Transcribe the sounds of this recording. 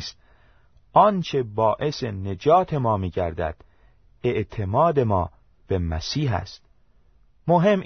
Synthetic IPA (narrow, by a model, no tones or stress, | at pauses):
st̪̚ | ʔɒːnt͡ʃʰe̞bɒːʔe̞se̞ne̞d͡ʒɒːt̪ʰe̞mɒːmiːɟæɾd̪æ̰d̪̥ | e̞ʔt̪ʰe̞mɒːd̪e̞mɒː | b̥e̞mæsiːɦæ̰st̪̚ | moɦe̞m